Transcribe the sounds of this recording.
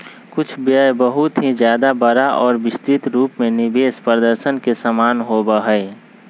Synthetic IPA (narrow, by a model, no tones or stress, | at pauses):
kʊt͡ʃʰbjəjbəɦʊt̪ɦĩd͡ʒjaːd̪abəɾaʔɔːɾbɪst̪ɪt̪ɾuːpmẽnɪbeːspɾəd̪əɾʃənkesəmaːnɦoːbəɦəe